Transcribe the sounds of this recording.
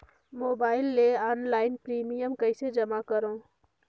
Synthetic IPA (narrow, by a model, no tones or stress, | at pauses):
moːbaːɪlːeːɔːnlaːɪnpɾiːmijəmkəised͡ʒəmakəɾõː